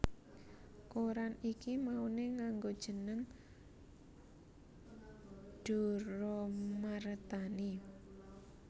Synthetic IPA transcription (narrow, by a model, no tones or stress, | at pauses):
koɾanikimauneŋaŋɡod̥ʒ̥ə̤nəŋ | ɖ̥o̤ɾɔmaɾət̪ani